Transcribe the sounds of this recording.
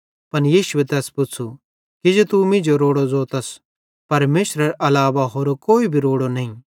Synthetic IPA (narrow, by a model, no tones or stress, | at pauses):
pɐnjiːʃʊet̪ɛːspʊt͡sʰu | kid͡ʒot̪umɪ̃d͡ʒoɾoːɽod͡zoːt̪ɐs | pɐɾmeːʃɾɐɾʔɐlaːʋaɦoːɾokoːibʱiɾoːɽonɐĩ